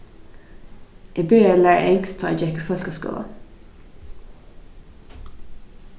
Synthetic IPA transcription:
ʔiːbyːəlæːɹ̰ʔɛŋkst̪ʰoːḛd͡ʒɛkəfɔlkosko̰ːɑ̰

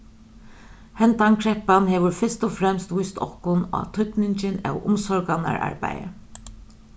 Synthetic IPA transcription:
hɛnt̪ankʰɾɛhpanɦɛːʋʊɾfɪst̪ʊfɾɛmst̪ʋʊjst̪ɔhkʊna̰t̪ʰʏt̪nɪɲt͡ʃɪnæwʊ̰msɔɹkana̰ɹa̰ɹpa̰jə̰

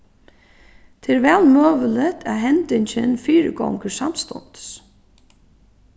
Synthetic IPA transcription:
t̪ʰɛːɾvɛːlmœːʋələt̪ʰæðɦɛnt̪ɪɲt͡ɕɪnfiːɾɪ̰ɡɔ̰wŋkəsamst̪ɔ̰nt̪s

